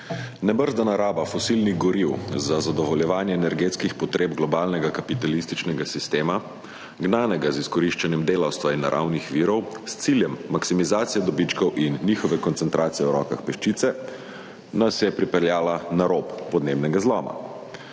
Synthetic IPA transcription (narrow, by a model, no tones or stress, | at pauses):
nɛbəɾzd̪anaɾaːbafɔsilniɣɡɔɾiwzazad̪ɔʋɔljɛʋaːnjɛːnɛɾɡeːt̪skixpɔt̪ɾʔeːbɡlɔbaːlnɛɡakapit̪alist̪it͡ʃnɛɡasist̪eːma | ɡnaːnɛɡaziskɔɾiʃt͡ʃanjɛmd̪eːlawst̪ʋainːa̰ɾʔa̰wnixʋiːɾɔwst̪siljɛmːaksimizaːt̪sijɛd̪ɔbit͡ʃkɔwinːiːxɔʋɛkɔnt̪sɛnt̪ɾʔaːt̪sijɛwɾɔ̰ːkaxpɛʃt͡ʃit̪sɛ | nasjɛpɾipɛɾljaːlanaɾopːɔd̪nebnɛɡazlɔːma̰